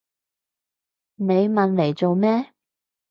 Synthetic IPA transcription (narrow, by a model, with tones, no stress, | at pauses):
ne˨˧jmɐ˨nle˨˩jt͡so˨wmɛː˥